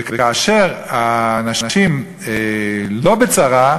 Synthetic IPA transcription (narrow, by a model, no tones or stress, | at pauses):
ekekaːʃe̞ʁaːnaʃnaʃim | elo̞bet͡saʁa